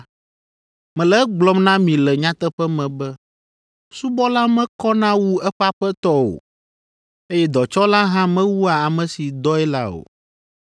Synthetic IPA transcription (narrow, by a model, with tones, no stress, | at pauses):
mɛ̃˨lɛ˦ɡ͡blɔ˦mnã˦mĩ˨lɛ˨ɲã˦t̪ɛ˦ɸɛ˦mɛ̃˨bɛ˦ | su˦bɔ˦la˦mɛ̃˦kɔ˦nã˦wu˦ɛ˦ɸa˦ɸɛ˦t̪ɔ˦o̰˨ | e˦jɛ˦d̪ɔ˨t͡ʃɔ˦la˦ɦã˦mɛ̃˦wu˦a˨a˨mɛ̃˨si˨d̪ɔ˦ɛ˦la̰˦o̰˨